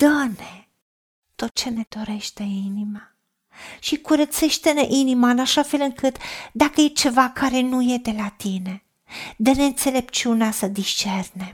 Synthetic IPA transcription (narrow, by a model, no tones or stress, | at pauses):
d̪̥əne | t̪o̞t̪̚t͡ʃe̞ne̞d̪̥o̞ɾe̞ʃt̪e̞inima | ʃikuɾət̪se̞ʃt̪eneʔinimaɨnaʃafe̞lɨŋkʰɨt̪d̪akəjet͡ʃe̞vakʰaɾe̞nujed̪e̞lat̪ine̞ | d̪əneɨnt̪se̞le̞p̚t͡ʃiuneasəd̪iʃt͡ʃe̞rne̞